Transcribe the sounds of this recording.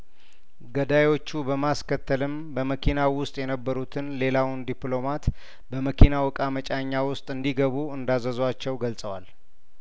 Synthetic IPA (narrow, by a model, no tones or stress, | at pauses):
ɡəd̪ajo̞t͡ʃːubəmaskʰət̪ʰːəlɨm | bəməkʰinawʊst̪ʼjɛnəbːəɾut̪ʰɨnle̞lawʊnd̪iplo̞mat̪ | bəməkʰinawɔkʼamət͡ʃʼaɲːawʊst̪ʼɨnd̪iɡəβuɨnd̪azəzwat͡ʃːɛwɡəlsʼəwal